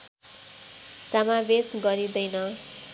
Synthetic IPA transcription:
samabesɡʌɾid̪ʌjnʌ

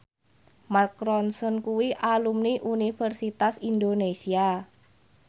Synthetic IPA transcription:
markɾɔnsɔnkuwiʔalumniʔunifərsit̪asind̪onesia

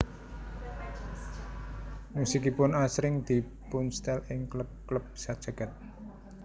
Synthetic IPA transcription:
musikipʊnasɾɪŋd̪̥i̤ | punst̪ɛlɪŋkləp̚kləp̚sad̥ʒ̥a̤ɡ̥a̤t̪̚

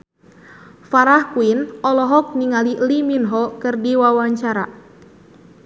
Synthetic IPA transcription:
faɾahkuinɔlɔɦɔk̚niŋaliʔliminɦɔkɨrdiwawaɲt͡ʃaɾa̰

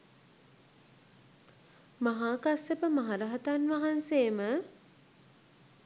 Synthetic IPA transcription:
maɦaːkasəpəmaɦaɾɐɦət̪anʋaɦansejːmə

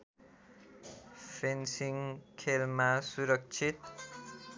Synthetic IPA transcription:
fensiŋkʰelmasuɾək̚t͡ʃʰit̪̚

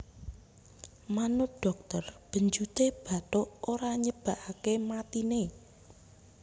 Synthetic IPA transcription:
manʊp̚ɖ̥ɔk̚t̪ərb̥ə̤ɲd͡ʒut̪eb̥a̤t̪ʊʔoɾaɲəb̥a̤ʔakemat̪ine

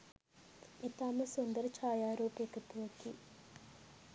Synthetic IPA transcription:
it̪aːmɐsond̪ɐɾt͡ʃʰaːjaːɾoːpeːkɐt̪uʋɐkːḭ

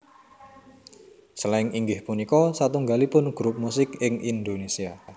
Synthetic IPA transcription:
səlaɪŋiŋɡɪhpunikɔsat̪uŋɡalipʊnɡ̥ɾup̚musɪkɪŋʔind̪onesia

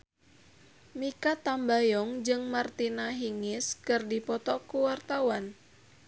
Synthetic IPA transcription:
mikat̪ambajɔŋd͡ʒɨŋmart̪inaɦiŋɪskɨrdipɔt̪ɔkuwart̪awan

